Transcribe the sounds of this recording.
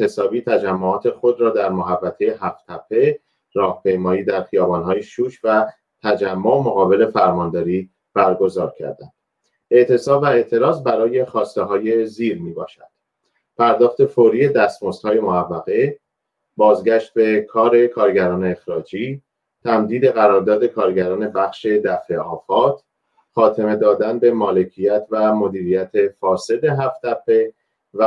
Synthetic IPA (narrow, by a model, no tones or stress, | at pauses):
esɒːbiːt̪ʰæd͡ʒæmːoɒːt̪ʰe̞xo̞d̪ɾɒːd̪æɾmoɦævːæt̪ʰe̞je̞ɦæft̪ʰæpʰːe̞ | ɾɒːhpʰe̞jmɒːjiːd̪æɾxijɒːbɒːnhɒːjeʃuːʃvæ | t̪ʰæd͡ʒæmːomoɣɒːbe̞le̞fæɾmɒːnd̪ɒːɾiː | b̥æɾɡo̞zɒ̰ːɾcʰæ̰ɾd̪ænd̪̥ | e̞ʔt̪ʰe̞sɒːbvæe̞ʔt̪ʰe̞ɾɒːzbæɾɒːje̞xɒːst̪e̞ɦɒːje̞ziːɾmiːbɒ̰ːʃæ̰d̪̥ | pʰæɾd̪ɒːχt̪e̞foɾiːe̞d̪æst̪most̪hɒːje̞moævːæɣe̞ | bɒːzɟæʃt̪̚be̞kʰɒːɾe̞kʰɒːɾɟæɾɒːne̞exɾɒːd͡ʒiː | t̪ʰæmd̪iːd̪e̞ɣæɾɒːɾd̪ɒːd̪e̞kʰɒːɾɟæɾɒːne̞bæxʃe̞d̪æfeɒːfɒːt̪ʰ | χɒːt̪ʰe̞me̞d̪ɒːd̪ænbe̞mɒːle̞cʰijæt̪ʰvæmo̞d̪iːɾijæt̪ʰe̞fɒːse̞d̪e̞ɦæft̪æpʰːe̞ | væ